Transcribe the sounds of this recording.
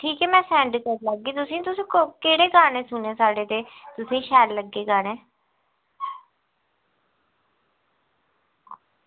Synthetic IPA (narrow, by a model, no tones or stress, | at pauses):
ʈʰiːkɛːmɛ̃ːsɛ̃ːɳɖkəɾləɡiːt̪ʊsĩːt̪ʊsĩːkokeːɽeːkaːnẽːsʊnẽːsaːɽeːt̪eːt̪ʊsĩːʃɛːlləɡːeːkaːɽɛ̃ː